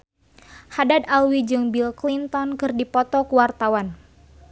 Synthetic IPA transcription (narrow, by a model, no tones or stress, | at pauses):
hadat̪alwid͡ʒɨŋbilklint̪ɔnkɨrdipɔt̪ɔkuwart̪awan